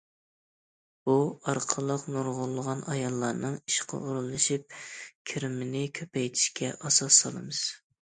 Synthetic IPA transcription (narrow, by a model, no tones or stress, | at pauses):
b̥uɑɾqʰəlˠəqnuɾʁʊlˠːəʁɑnɑjɑlˠːɑɾnɨŋiʃqʰɑ̰ʔuɾulˠɨʃip̚kʲʰiɾɪmɪnɪkʲʰøpɛjt̪ʰi̥ʃkʲʰɛʔɑsɑsːɑ̰lˠɨ̰mɨz̥